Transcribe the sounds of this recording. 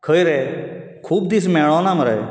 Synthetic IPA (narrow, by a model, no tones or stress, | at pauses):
kʰəiɾɛ | kʰuːbd̪is̬mɛːɭɔːnãːməɾe